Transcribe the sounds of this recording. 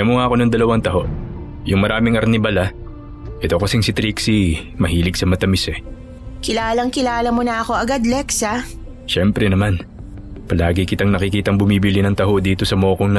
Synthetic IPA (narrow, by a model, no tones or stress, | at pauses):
jɐmoŋaɐko̞nɐŋd̪ɐlɐwaŋt̪ɐho̞ʔ | jʊŋmɐɾaːmɪŋɐɾnɪbɐlɐ | ʔɛt̪o̞kɐsɪŋsɪt̪ɾiksimɐhiːlɪɡsɐmɐt̪ɐmɪsɛ | kɪlaːlɐŋkɪlaːlɐmonɐʔɐko̞ʔɐɡad̪lɛksa | ʃɛmpɾɛnɐman | pɐlaːɡɪkɪt̪ɐŋnɐkɪkiːt̪ɐŋbʊmiːbilɪnɐŋt̪ɐɦod̪iːt̪o̞sɐmo̞ːkoŋn